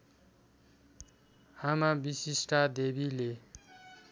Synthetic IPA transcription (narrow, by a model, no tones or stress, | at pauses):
amabisisʈad̪ebile